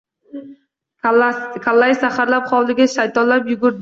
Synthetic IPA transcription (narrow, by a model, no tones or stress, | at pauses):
kʰalˠːajsaχaɾlapχɒwlɪɡʲaʃajt̪ɒnlapjʊɡʊɾd̪